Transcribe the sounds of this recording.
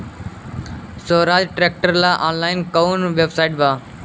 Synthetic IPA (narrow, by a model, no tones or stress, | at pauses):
soːɾaːd͡ʒʈɾeːk̚ʈəɾlaːʔaːnlaːɪnkaʊnʋebsaɪʈbaː